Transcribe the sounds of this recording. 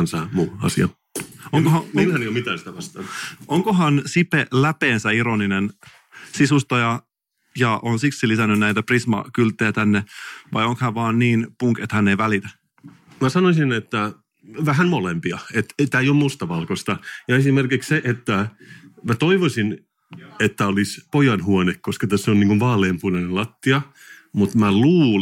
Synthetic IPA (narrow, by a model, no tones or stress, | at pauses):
nsɑːmuːɑ̰siɑ̰ | oŋkohɑmnhæneijomit̪ænsit̪æʋɑst̪ɑnʔoŋkoɦɑnsipelæpeːnsæiɾoninen | sisust̪ɑjɑ | jɑʔonsiksilisænːynnæjt̪æprismɑ̰kylt̪ːˑejæt̪ænːeʋɑjoŋkhæʋɑːnːiːnpuŋket̪hænːeiʋælit̪æ | mæsɑnosinet̪ːæ | ʋæɦænmolempiɑet̪et̪æːeijommust̪ɑʋɑlkost̪ɑjɑesimerkiksseʔet̪ːæmæt̪oiʋosin | et̪ːæolispojɑnhuonekkːoskɑt̪æsːoniːŋkuʋʋɑːlempunɑnellɑt̪ːiɑ | mut̪mæluː